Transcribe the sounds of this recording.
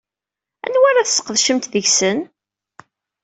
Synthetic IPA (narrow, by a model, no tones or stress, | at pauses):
æ̰nwaɾaθsə̥qːəðʃəmt̪ðəʝsən